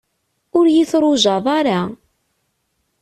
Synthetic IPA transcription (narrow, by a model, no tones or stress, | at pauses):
ʊɾjɪθɾˤʊʒɑðˤaɾa